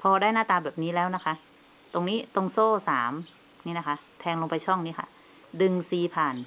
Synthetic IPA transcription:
pʰɔː˧daː˥˩jnaː˥˩t̪aː˧˩bɛː˨˩p̚niː˦˥lɛː˦˥wna˦˥kʰa˦˥ | t̪o˧ŋniː˦˥t̪o˧ŋsoː˥˩saː˩˦m | niː˦˥˩na˦˥˩kʰa˦˥t̪ʰɛː˧ŋlo˧pa˧jt͡ɕʰɔ˥˩ŋniː˦˥˩kʰa̰˧˩ | dɯ˧ŋsiː˧pʰaː˨˩n

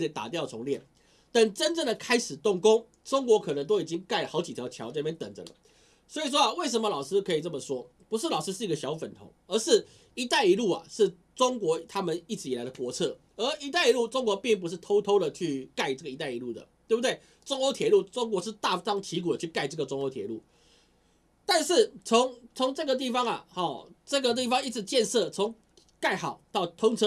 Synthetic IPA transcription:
e˥˩t̪a̰˨˩t̪jɑ˥˩ʊʈ͡ʂʰʊ˧˥ŋljɛ˥˩n | t̪ə˨˩nʈ͡ʂə˥nʈ͡ʂə˥˩ŋd̪ə˩kʰa˥ɪʂɻ̩˨˩t̪ʊ˥˩ŋkʊ˥ŋ | ʈ͡ʂʊ˥ŋkwɔ˧˥kʰɤ˨˩nə˧˦ŋt̪o˥ʊi˨˩t͡ɕi˦˥ŋka˥˩ɪlə˨˩xɑ˧˥ʊt͡ɕi˨t̪ʰjɑ˧˦ʊt͡ɕʰjɑ˧˦ʊt͡sa˥˧pjnt̪ə̰˨˩ŋd͡zə̰˨˩lə̰˩˦ | swɔ˧˥i˨˩ʂ̬wɔ˥˧we˥˩ɪʂ̬ə˧˥mə˧lɑ˨˩ʊʂɻ̩˥kʰɤ˧˥i˨˩ʈ͡ʂə˥˩mə˩ʂwɔ˥ | pu˧˥ʂ̬ɻ̩˥˩lɑ˨˩ʊʂɻ̩˥ʂɻ̩˥˩i˧ɡə˧ɕjɑ˧˥ʊfə˨˩nt̪ʰʊ̰˧˥ŋə˧ʂɻ̩˥˩ | i˧˥t̪a˥˩ɪi˧˥lu˥˩a̰˨˩ʂɻ̩˥˩ | ʈ͡ʂʊ˥ŋkwɔ˧˥t̪ʰa˥mə˨ni˥˩ʈ͡ʂɻ̩˧˥i˨˩la˧˦ɪd̪ə˧kwɔ˧˥t͡sʰɤ˥˩ | ə˞˧˥i˧˥t̪a˥˩ɪi˧˥lu˥˩ʈ͡ʂo˥ŋk̬wɔ˧˥pi˥˩ŋp̬u˧˥ʂ̬ɻ̩˥˩t̪ʰo˥ʊt̪ʰo˥ʊd̪ə˨t͡ɕʰy˥˧ka˥˧ɪʈ͡ʂɤ˥˩ɡə˩i˧˥t̪a˥˩ɪi˧˦lu˥˩d̪ə̰˩t̪we˥˩bu˩d̪we˥˩ɪ | ʈ͡ʂo˥ŋo˧˥ʊt̪ʰjɛ˨˩˦lu˥˩ʈ͡ʂo˥ŋk̬wɔ˧˥ʂɻ̩˥˧t̪a˥˧tɑ˥ŋt͡ɕʰi˧˥k̬u˨˩ə˩t͡ɕʰy˥˩ka˥˧ɪʈ͡ʂɤ˥˩ɡə˩ʈ͡ʂʊ˥ŋo˧˥ʊt̪ʰjɛ̰˨˩lu˥˩ | t̪a˥˧nʂɻ̩˥˩t͡sʰo˧˦ŋt͡sʰo˧˥ŋʈ͡ʂɤ˥˩ɡə˨˩t̪̬i˥˩fɑ˦ŋɐ̰˨˩hɔ˨˩ʈ͡ʂɤ˥˩ɡə˨t̪̬i˥˩fɑ˧ŋi˥˩t͡s̩˨˩˦t͡ɕjɛ˥˧nsɤ˥˩t͡sʰo˨˥ŋ | ka˥˩ɪxɑ˨˩˦ʊt̪ɑ˥˩ʊt̪ʰʊ˥ŋt͡sʰɤ˥

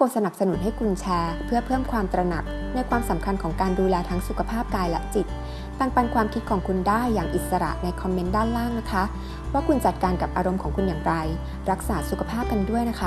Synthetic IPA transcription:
ko˧sa˧na˨˩p̚sa˧nu˩˦nɦa˥˩jkʰu˧nt͡ɕʰɛː˧pʰɯ˥˩ɐpʰɤː˥˩mkʰwaː˧mt̪ɾa˧na̰˨˩k̚ | na˧jkʰwaː˧msa˩˦mkʰa˧nkʰɔː˩˦ŋkaː˧nduː˧lɛː˧t̪ʰa˦˥ŋsu˨˩kʰa˧pʰaː˥˩p̚kaː˧jlɛ̰˦˥ʔt͡ɕi˨˩t̪̚ | p̪a˧ŋpa˧nkʰwaː˧mkʰi˦t̪̚kʰɔː˩˦ŋkʰu˧ndaː˥˩jːaː˨˩ŋʔi˨˩t̪̚sa˧ɾa̰˨˩ʔna˧jkʰɔ˧mːe˦˥ndaː˥˩nlaː˥˩ŋna˦˥kʰa˦˥ | waː˥˩kʰu˧nt͡ɕa˨˩t̪̚kaː˧nka˨˩p̚ʔaː˧ɾo˧mkʰɔː˩˦ŋkʰu˧njaː˨˩ŋɾa˧j | ɾa˦˥k̚saː˩˦su˨kʰa˧pʰaː˥˩p̚ka˧ndu˥˩əjna˦˥kʰa˦˥

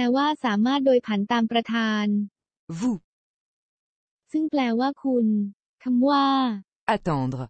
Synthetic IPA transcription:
pɛː˧waː˥˩saː˩˦maː˥˩t̪̚doː˧jpʰa˩˦nt̪aː˧mpɾa˧t̪ʰaː˧n | vu˧ | sɯ˥˩ŋplɛː˧waː˥˩kʰu˧n | kʰa˧mwaː˥˩ | at̪ɑ̃˧d̪ʁ

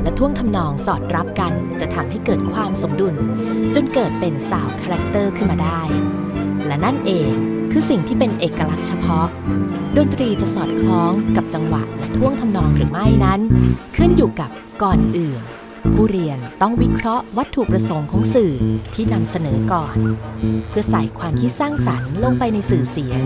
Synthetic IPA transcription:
lɛ˦˥t̪ʰu˥˩əŋt̪ʰa˧mnɔː˧ŋsɔː˨˩t̪̚ɾa˦˥p̚ka˧nt͡ɕa˨˩ʔt̪ʰa˨˧˦mɦa˥˩jkɤː˨˩t̪̚kʰwaː˧mso˩˦mdu˧n | t͡ɕo˧nkɤː˨˩t̪̚pe˧nsaː˨˩˦wkʰaː˧ɾa˦˥k̚t̪ɤː˥˩kʰɯ˥˩nmaː˧daː˥˩j | lɛ˦˥na˥˩nʔeː˨kʰːɯː˧si˨˩ŋt̪ʰiː˥˩pe˧nʔeː˨˩kːa˧la˦˥k̚t͡ɕʰa˧pʰɔ˦˥ʔ | do˧nt̪ɾiː˧t͡ɕa˨˩ʔsɔː˨˩t̪̚kʰlɔː˦˥ŋka˨˩p̚t͡ɕa˧ŋwa̰˨˩ʔja˨˩ŋt̪ʰu˥˩əŋt̪ʰa˧mnɔː˧˩ŋɾɯː˩˦ma˥˩jna˦˥nkʰɯ˥˩njuː˨˩ka˨˩p̚ | kɔː˨˩nʔɯː˨˩n | pʰuː˥˩ɾi˧ənt̪ɔ˥˩ŋwi˦˥kʰɾɔ˦˥ʔwa˦˥t̪ʰːu˨˩pɾa˧so˩˦ŋkʰɔː˩˦ŋsɯː˨˩t̪ʰiː˥˩na˧msa˧nɤː˩˦kɔː˨˩npʰɯ˥˩ɐsa˨˩jkʰwaː˧mkʰi˦˥t̪̚saː˥˩ŋsa˩˦nlo˧ŋpa˧jna˧jsɯː˨˩si˩˦ɐ

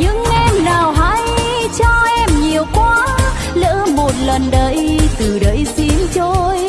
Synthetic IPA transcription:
ɲɨ̰˧˥ŋʔɛ˧mnaː˨˩wɦaː˧˥jt͡ɕɔ˧ʔɛ˧mɲi˨˩əwkwaː˧˦ | lə̰ː˧˥mo˨˩t̚lə˨˩nɗə˧˩jt̪ɨ˨˩ɗə˨˦jsi˧˦ənt͡ɕo˧j

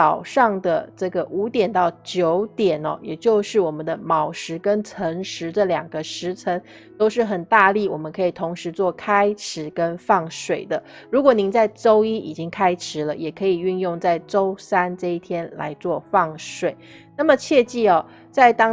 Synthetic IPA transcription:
ɑ˨˩ʊʂɑ˥˩ŋd̪ə˩ʈ͡ʂɤ˥˩ɡə˩ʔu˧˥t̪jɛ˨˩nt̪ɑ˥˩ʊt͡ɕjo˧˥ʊt̪jɛ˨˩nɔ̰˦jɛ˨˩t͡ɕjo˥˧ʊʂɻ̩˥˩wɔ˨˩mə˦nd̪ə˧mɑ˨˩ʊʂɻ̩˧˥kə˦˥nt͡sʰə˧˥ŋʂɻ̩˧˦d̪ə˨ljɑ˨˩ŋɡə˦ʂɻ̩˧˥t͡sʰə˧˥ŋ | t̪o˥ʊʂɻ̩˥˩xə˨˩nt̪a˥˧li˥˩wɔ˨˩mə˦nkʰɤ˧˥i˨˩t̪ʰo˧˥ŋʂɻ̩˧˦t͡swɔ˥˩kʰa˥ɪʈ͡ʂʰɻ̩˧˥kə˦˥nfɑ˥˩ŋʂwe˨˩ɪd̪ə˦ɻu˧˥kwɔ˨˩ni˧˥ŋt͡sa˥˩ɪʈ͡ʂo˥ʊi˥i˨˩t͡ɕi˦˥ŋkʰa˥ɪʈ͡ʂʰɻ̩˧˥lə˨jɛ˨˩kʰɤ˧˥i˨˩y˥˧njʊ˥˧ŋt͡sa˥˩ɪʈ͡ʂo˥ʊsa˥nʈ͡ʂɤ˥˧i˥˩t̪ʰjɛ˥nla̰˧˥ɪt͡swɔ˥˧fɑ˥˩ŋʂwe˨˩˦ɪ | na˥˩mə˩t͡ɕʰjɛ˥˧t͡ɕi˥˩ɔ˩ | t͡sa˥˩ɪt̪ɑ˥

